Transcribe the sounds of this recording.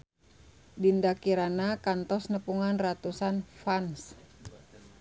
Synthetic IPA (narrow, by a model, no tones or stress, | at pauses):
dindakiɾanakant̪ɔsnəpuŋanrat̪usanfans